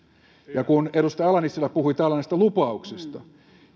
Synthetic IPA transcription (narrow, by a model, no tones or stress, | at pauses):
jɑkuneɾust̪ɑɑlɑnisːilːɑpuhuit̪ælːænest̪ɑlupɑuksist̪ɑ